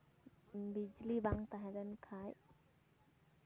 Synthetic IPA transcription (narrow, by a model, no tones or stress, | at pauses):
bid͡ʒlibaŋt̪aɦɛ̃dɛnkʰaj